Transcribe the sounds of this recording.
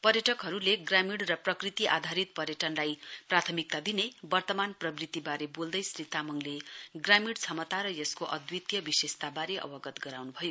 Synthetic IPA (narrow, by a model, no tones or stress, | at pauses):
pʌrjʌʈʌkɦʌɾuleɡramiɽrʌprʌkrit̪iʔa̰d̪ʱaɾit̪̚pʌɾjʌʈʌnlajprat̪ʰʌmik̚t̪ad̪inebʌrt̪ʌmanprʌbrit̪ibaɾebold̪ʌjsrit̪amʌŋleɡramiɽt͡sʰʌmʌt̪aɾʌjʌskoʔʌ̰d̪wit̪jʌbisest̪abaɾeʔʌ̰bʌɡʌt̪ɡʌɾawnubʱʌjo